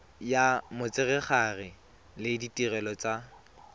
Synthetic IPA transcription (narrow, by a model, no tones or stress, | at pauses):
jamʊt͡sɪrɛχarɪ | lɪditirɛlɔt͡sʼa